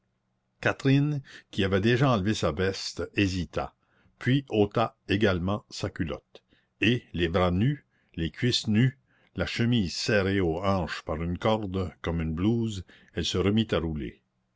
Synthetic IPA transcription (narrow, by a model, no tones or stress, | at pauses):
kat̪ɾɪnkʲiavɛd̪eʒaɑ̃lvesavɛst̪ezit̪a̰ | pɥiot̪aeɡalmɑ̃sakʲylɔ̰t̪ | elebɾany | lekʰʲɥisny | laʃəmiːzsɛɾeoɑ̃ːʃpaʁynkɔʁd̪kɔmynbluːz | ɛlsəʁəmit̪aɾulḛ